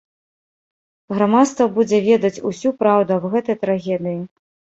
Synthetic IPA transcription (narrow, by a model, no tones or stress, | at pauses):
ɣɾamat̪st̪vɐbud͡zʲɛvʲɛd̪ɐt͡sʲusʲupɾawd̪uɐbɣɛt̪ɐjt̪ɾaɣʲɛd̪ɨji